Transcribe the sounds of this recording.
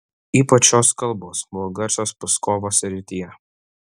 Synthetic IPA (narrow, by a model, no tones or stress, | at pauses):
iːpɐt͡ʃʲoːskɐlˠˑboːsmuɔɡɐɾsʲoːspɐskoːʋoːsɾʲɪt̪ʲɪjɛ